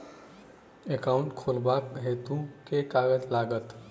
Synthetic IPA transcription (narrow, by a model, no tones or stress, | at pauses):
ekaʊ̃ɳʈkʰolbakɦet̪ũkekaɡəd͡ʒlaɡət̪